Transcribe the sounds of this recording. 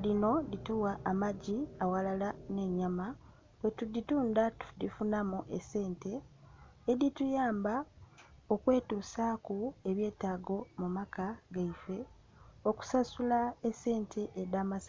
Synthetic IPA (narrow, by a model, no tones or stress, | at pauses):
lino̞dituwaʔːmaɟiawalalane̞ɲama | wetudituːndatu̥difunamuʔese̞ːnte̞ː | ditujaːmba | o̞kwe̞ːtuːsakue̞βje̞ːtaːɡo̞mumakaɡaife̞ | o̞ku̥sasulaese̞ːntʰe̞ʔːdaːmasa